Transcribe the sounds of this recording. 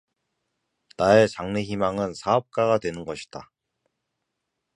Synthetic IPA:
nae̞t͡ɕaŋne̞çimaŋɯnsʰaʌp̚k͈aɡadwe̞nɯnɡʌɕʰi̥d̥a̰

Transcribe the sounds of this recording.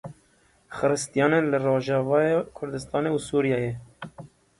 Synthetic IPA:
xɨɾɨst̪ijɑːnenlɨroːʒɑːvɑːjekʰʊɾd̪ɨst̪ɑːneusuːɾijɑːjɛ

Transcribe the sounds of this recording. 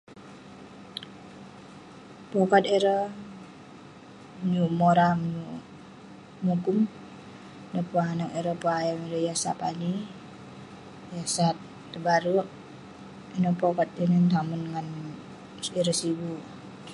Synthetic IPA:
pɔkat̪iɾə | ɲumoɾamɲu | mukum | dəpanakiɾəpuajamiɾəjasa̰pani | jasat̪ː | əbaɾuʔ | inəpɔkat̪̚inənt̪amunŋan | iɾəsibu

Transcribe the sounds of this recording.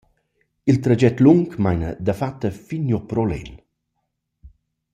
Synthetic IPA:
ilt̪ɾad͡ʒɛt̪luŋkmajnə̰d̪əfat̪ːəfinjɔpɾɔlɛ̰n

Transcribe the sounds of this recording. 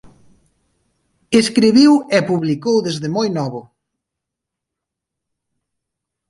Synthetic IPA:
eskɾiβiwepuβlikowðezðɪmojnɔβʊ

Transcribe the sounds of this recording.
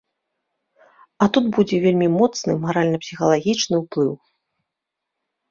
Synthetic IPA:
ɐt̪ut̪bud͡zʲɛvʲelʲmʲimɔt̪snɨmaɾalʲnɐpsʲixɐlˠaɣʲit͡ʂnɨwplˠɨw

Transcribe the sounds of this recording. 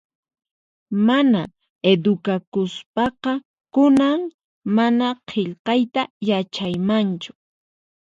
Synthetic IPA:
mana | ed̪ʊkakʊspɑqɑ | kʊnaŋ | manaqʰeʎqɑjt̪ajat͡ʃajmant͡ʃʊ̥

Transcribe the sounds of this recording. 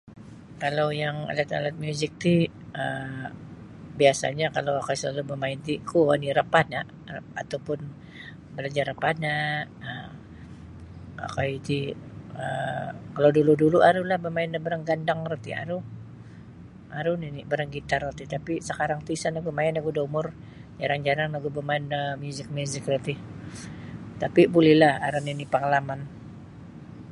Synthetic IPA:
kalawjaŋa̰lat̪a̰lat̪̚mjuzɪk̚t̪i | ə | biasa̰ɲakalawakajsəlalubəmaɪnt̪ikuaniɾəpanaʔ | a̰t̪awpʊn | bəlad͡ʒarəpanaə | a̰kajit̪iəkaloduluduluʔaɾulahbəmaɪndabəɾaŋɡandaŋrət̪ḭa̰ɾu | ʔaɾʊninibəɾaŋɡit̪arət̪it̪apisəkaɾaŋt̪isanaɡumaɪnaɡudumʊr | d͡ʒaɾaŋd͡ʒaɾaŋlaɡubəmaɪnəmjuzɪk̚muzɪkrət̪i | t̪apibulɛhlahaɾʊninipəŋalaman

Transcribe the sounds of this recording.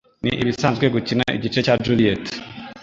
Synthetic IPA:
niʔiβisaːnzɡwe̞ɡucinaʔḭɟit͡ʃecad͡ʒuliet

